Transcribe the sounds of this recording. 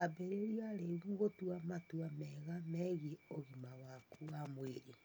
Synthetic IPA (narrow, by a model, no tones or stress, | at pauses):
abeɾeɾiaɾeβuɣotuamatwamɛɣamɛɣioɣimawakuamweɾi